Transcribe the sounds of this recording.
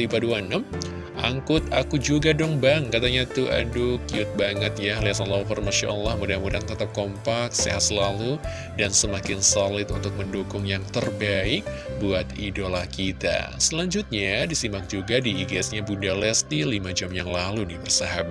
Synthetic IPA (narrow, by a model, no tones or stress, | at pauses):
lipaduanəm | ʔaŋkʊt̪̚akud͡ʒuɡadɔŋbaŋkat̪aɲat̪uʔa̰dukiʊt̪̚baŋət̪̚jahliasalafɔrmaʃa̰ʔlːahmudamuɾaŋt̪ət̪əp̚kɔmpak̚sḛa̰səlalu | dansəmakɪnsolɪt̪unt̪ʊk̚məndokʊŋjaŋt̪ərbaɪk̚buat̪idolakit̪a̰səlaɲd͡ʒʊt̪̚ɲadisimak̚d͡ʒuɡadiːɡɛsɲabundalɛst̪ilimad͡ʒamjaŋlalunibərsaɦaba